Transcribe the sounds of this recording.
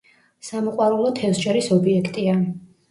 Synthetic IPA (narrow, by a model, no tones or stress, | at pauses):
samɔqʼwaɾulˠɔt̪ʰɛfsd͡ʒʼɛɾisɔbiɛkʰt̪ʼia